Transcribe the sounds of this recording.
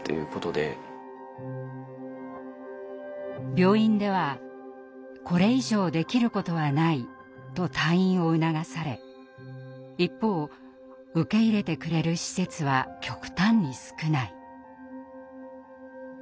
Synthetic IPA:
t̪ːe̞̰jɯ̟ko̞t̪o̞d̪e̞̰ | bʲjo̞ːĩnd̪e̞β̞a | ko̞ɾe̞iʑo̞ːd̪e̞kʲiɾɯ̟ko̞t̪o̞βanai | t̪o̞t̪aĩɰ̃o̞ɯ̟naɡasaɾe̞ | ipːo̞ː | ɯ̟ke̞iɾe̞t̪e̞kɯ̟ɾe̞ɾɯ̟ɕi̥se̞t͡sɨβakʲo̞kɯ̟̥t̪ãɲːisɨ̥kɯ̟nai

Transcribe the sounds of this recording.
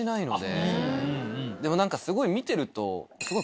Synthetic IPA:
inaino̞̰d̪e̞̰ | d̪e̞mo̞nãŋkasɨɡo̞imʲit̪e̞ɾɯ̟t̪o̞̰sɨɡo̞

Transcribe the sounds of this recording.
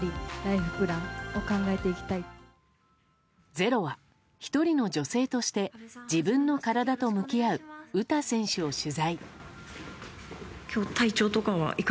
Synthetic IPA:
ɾʲiɾaiɸɯ̟pɯ̟ɾãŋo̞kãŋɡae̞t̪e̞ikʲi̥t̪ai | d͡ze̞ɾo̞βa | çi̥t̪o̞ɾʲino̞d͡ʑo̞se̞ːt̪o̞ɕi̥t̪e̞d͡ʑibɯ̟̃nːo̞kaɾad̪at̪o̞mɯ̟kʲiaɯ̟ɯ̟t̪asẽ̞ɰ̃ɕɨo̞ɕɨzai | kʲo̞ːt̪ait͡ɕo̞ːt̪o̞kaβa̰ʔik

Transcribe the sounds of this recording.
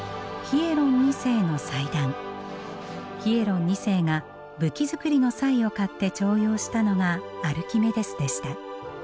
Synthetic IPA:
çie̞ɾõ̞ɲ̟ːise̞ːno̞said̪ãŋ | çie̞ɾõ̞ɲ̟ːise̞ːŋa | bɯ̟kʲizɨkɯ̟ɾʲino̞saio̞kat̪ːe̞t͡ɕo̞ːjoːɕi̥t̪ano̞ɡaːɾɯ̟kʲime̞d̪e̞sɨd̪e̞ɕi̥t̪a

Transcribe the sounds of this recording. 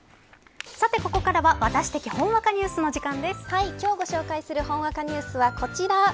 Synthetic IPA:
sat̪e̞ko̞ko̞kaɾaβaβat̪aɕi̥t̪e̞kʲihõ̞ɰ̃βakaɲ̟ɨːsɨno̞ʑikãnd̪e̞sɨ̥haikʲo̞ːɡo̞ɕo̞ːkaisɨɾɯ̟hõɰ̃βakaɲ̟ɨːsɨβako̞t͡ɕiɾa

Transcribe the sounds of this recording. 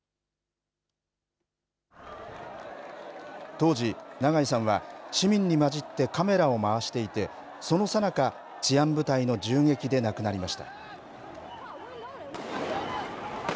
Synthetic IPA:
t̪o̞ːʑinaɡaɲisãɰ̃βaɕimʲĩɲ̟ːimad͡ʑit̪ːe̞kame̞ɾao̞maβaɕi̥t̪e̞it̪e̞ | so̞no̞sanaka | t͡ɕiãmbɯ̟t̪aino̞d͡ʑɨːŋe̞kʲid̪e̞nakɯ̟naɾʲimaɕi̥t̪ḁ̰

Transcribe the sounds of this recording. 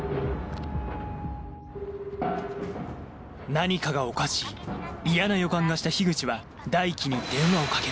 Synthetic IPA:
naɲ̟ikaɡao̞kaɕiːijanajo̞kãŋɡaɕi̥t̪açiɡɯ̟t͡ɕiβa | d̪aikʲiɲ̟id̪̥ẽ̞ɰ̃βao̞kake

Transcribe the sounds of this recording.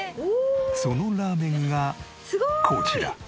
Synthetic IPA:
sonolameŋːa | kʰot͡ɕʰiɾa̰

